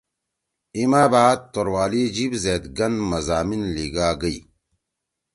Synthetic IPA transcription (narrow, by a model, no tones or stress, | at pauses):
imaːbaːd̪̚t̪oɾwaːlid͡ʒibzet̪ɡɐnmɐzaːminliɡaːɡəi